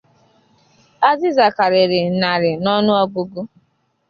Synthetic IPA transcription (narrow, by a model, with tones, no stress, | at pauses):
a˦zɪ˦za˨ka˨ɾɪ˨ɾɪ˨na˨ɾɪ˨nɔ˦nʊ˦ɔ˦ɡʊ˦ɡʊ˦